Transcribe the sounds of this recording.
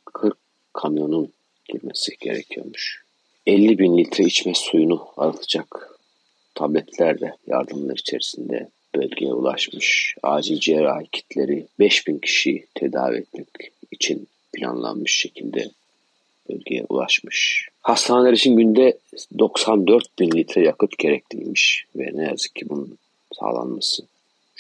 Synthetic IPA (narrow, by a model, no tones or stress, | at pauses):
kʰɯɾkʰː | amjo̞nun | ɟ̥iɾme̞si̥ɟ̥e̞̰ɾɛcʰijo̞̰ɾmuʃ | ɛlʲːibinlʲit̪ʰɾait͡ʃmɛsujunua̰ɾɯlt̪ʰɯ̥d͡ʒak | t̪ʰablʲɛt̪ʰlʲæɾd̪ɛja̰ɾd̪ɯmlˠa̰ɾit͡ʃʰe̞ɾisind̪ɛ̰ | b̥ø̞lʲɟʲejɛ̰ṵlˠa̰ʃmɯʃaːd͡ʒid͡ʒiɛɾaːcʰi̥t̪ʰlʲe̞ɾibɛʃbincʰi̥ʃijit̪ʰe̞d̪a̰ːvḭɛt̪mɛcit͡ʃʰin | pʰilʲa̰nlˠa̰nmɯʃʃe̞cʰilʲd̪ɛ̰ | b̥ø̰lʲɡɟʲḛjɛ̰ṵlˠa̰ʃmɯʃhast̪ʰaneeɾit͡ʃʰinɟynd̪ɛd̪o̞ksand̪øɾt̪̚binlʲit̪ʰɾajakʰɯt̪ɟe̞ɾɛclʲḭjmiʃvɛ̰nejazɯ̥kcʰːibunun | sa̰ːlˠa̰nmasɯ